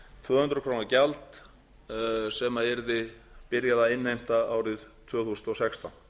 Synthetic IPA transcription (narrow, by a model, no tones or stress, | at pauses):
t̪ʰvœːhʏnt̪ɾʏkʰɾoːwnacalt̪ | sɛmaɛɾðɪpɪɾjaðaɪnːejm̥t̪aaːwɾɪðt̪ʰvœːθusnɔsɛkst̪an